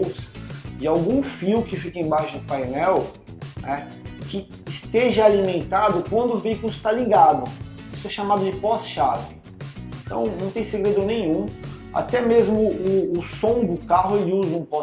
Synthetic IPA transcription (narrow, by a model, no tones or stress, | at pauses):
sd͡ʒɪawɡũfiwkɪfikɐẽj̃baʃʊd̪ʊpajnɛw | nɛ | kɪː | st̪eʒɐalimẽnt̪ad̪ʊkwɐ̃nd̪ʊʊveikʊlˠɪst̪aliɡad̪ʊ | isʊɛʃamad̪ʊd͡ʒɪpɔsʃavɪ̃ | t̪ɐ̰̃w̃nɐ̃w̃t̪ẽj̃seɡɾed̪ʊnẽjɲ̃ũ | a̰t̪ɛmezmʊʊːsõw̃d̪ʊkaɦʊelɪuzɐũpɔ